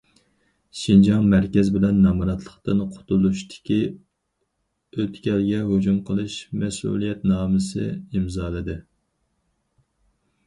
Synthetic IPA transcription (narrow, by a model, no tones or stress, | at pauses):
ʃind͡ʒɑŋmæɾkʲɛzbɪlɛnːɑmɾɑt̪ʰlˠəχt̪ɨnqʰʊ̥t̪ʰulˠuʃt̪ʰɪ̥kʲʰi | øt̪kʲɛlɡʲɛɦod͡ʒumqʰəlˠɨʃmɛsṵlˠijɛt̪nɑːmɨsɨ̰imzɑːlˠɨd̪ɨ